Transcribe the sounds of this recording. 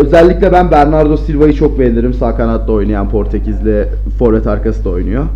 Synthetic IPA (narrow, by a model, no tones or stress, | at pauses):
ø̞zɛlʲːicʲlʲɛbænbæɾnaɾd̪o̞silʲvajɯt͡ʃʰo̞kveɾnd̪ʲiɾimsaːkanat̪lˠao̞jnajanpʰo̞ɾt̪ʰecʰizlʲɛ | fo̞ɾvɛt̪ʰaɾkasɯd̪ao̞jnujo